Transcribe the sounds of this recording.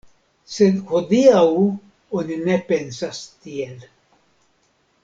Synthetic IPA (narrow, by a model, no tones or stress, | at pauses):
sed̪hod̪iaw | oninepensast̪iel